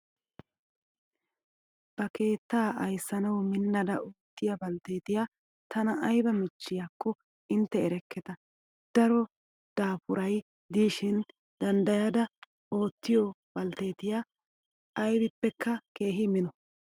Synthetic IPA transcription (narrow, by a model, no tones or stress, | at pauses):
b̥ɐkʰe̞ːt̪ːaːʔɐjsːɐnɐwmɪnːɐd̪ɐʔoːt̪ːɪjɐbɐlt̪e̞ːt̪ɪja | t̪ʰɐnɐʔɐjbɐmɪt͡ʃːɪjaːkːɔ | ɪnt̪ːɛɛɾɛkːɛt̪ɐ | d̪̥ɐɾɔ | d̪̥aːpʊɾɐj | d̪iːʃɪn | d̪ɐnd̪ɐjad̪ɐ | o̞ːt̪ːɪjɔb̥ɐlt̪e̞ːt̪ɪja | ʔːjbɪpːɛkːɐke̞ːɦɪmɪnɔ